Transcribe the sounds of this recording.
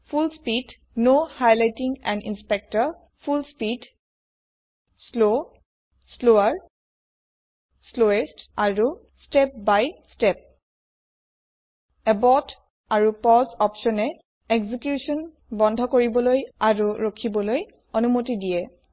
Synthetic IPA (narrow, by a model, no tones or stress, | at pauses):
pʰulspid | nohajlajtiŋɛ̃ndḭnspɛk̚tɔɹ | pʰulspid | slo | sloaɹ | sloestaɹu | stɛp̚bajstɛp̚ | ɛbɔt | aɹupɔzɔpʃɔnɛ | eɡzikjusɔn | bɔndʱɔkoɹibɔlojaɹuɹokʰibɔloj | onumotidiɛ